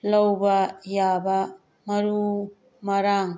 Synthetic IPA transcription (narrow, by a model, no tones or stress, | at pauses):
lɐwbɐjabɐ | mɐɾu | mɐɾaŋ